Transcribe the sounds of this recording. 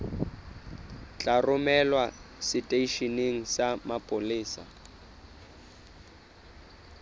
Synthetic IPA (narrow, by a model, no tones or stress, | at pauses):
t͡ɬʼarʊmɛlwasɪtʼeiʃineŋ̩samapʼʊliːsa̰